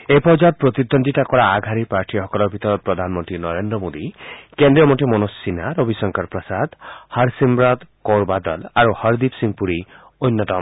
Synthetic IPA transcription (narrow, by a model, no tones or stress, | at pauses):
epɔd͡ʒab̚pɾɔt̪id̪ond̪ʱiʈakɔɽaːɡʱaɾipaɾʈʰiɦɔkɔlɔbʱit̪ɔɾɔpɾɔd̪ʱanmɔnt̪ɾinɔɾend̪ɾɔmod̪ikend̪ɾijɔmɔʈimɔnosːinaɾobʱisɔŋkaɾpɾɔsad̪haɾsimɾɔd̪kowɾbad̪ɔlaɾuhɔɾd̪ipsiŋpuɾi | ojnːɔt̪ɔm